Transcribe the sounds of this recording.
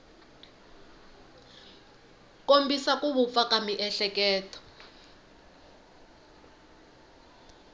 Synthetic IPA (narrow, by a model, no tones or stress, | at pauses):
kombisakuβup̪fakʼamiʔɛɬɛkɛːtɔ̥